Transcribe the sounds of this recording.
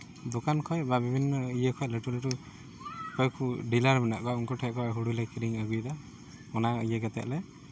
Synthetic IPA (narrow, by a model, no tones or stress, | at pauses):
d̪ɔkankʰɔjbabibʱinːɔijəkʰɔjleʈuleʈu | kɔjkʰuɖilaɾbɛnaʔkɔauŋkɔʈʰɛkɔaɦuɽulɛkʰiɾiŋaɡujd̪a | ɔnajeɡat̪ɛ̰ʔlɛ